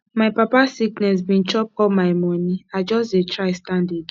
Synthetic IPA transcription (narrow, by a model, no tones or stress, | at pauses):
maɪpapasiknɛs̬bĩnt͡ʃɔp̚ɔlmaɪmɔniad͡ʒɔsetʰɹaɪstãndeɡ